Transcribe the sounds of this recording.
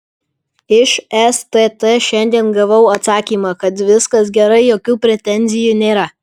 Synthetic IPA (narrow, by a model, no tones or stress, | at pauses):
ɪʃɛst̪et̪ɛʃʲɛnʲd̪ʲiɛnɡɐʋɐʊɐt̪sɑːkʲiːmɑːkɐt̪ʋʲɪskɐs̬ɡʲɛɾɐɪjoːkʲuːpʲɾʲɛt̪ʲɛnʲzʲɪjuːnʲeːɾɐ